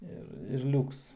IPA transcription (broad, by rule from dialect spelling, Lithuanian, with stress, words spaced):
ˈɪr ɪr ˈlʲuːks